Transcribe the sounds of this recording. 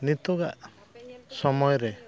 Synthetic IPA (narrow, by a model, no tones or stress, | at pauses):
nit̪ɔɡaʔ | sɔmɔjɔɾe